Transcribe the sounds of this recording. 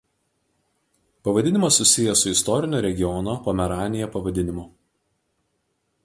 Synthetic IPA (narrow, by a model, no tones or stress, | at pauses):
pɐʋɐd̪ʲɪnʲɪmɐsːʊsʲɪjɛsʊɪst̪ɔɾʲɪnʲoːɾʲɛɡʲɪjɔnopoːmʲɛɾɑːnʲɪjɛpɐʋɐd̪ʲɪnʲɪmʊ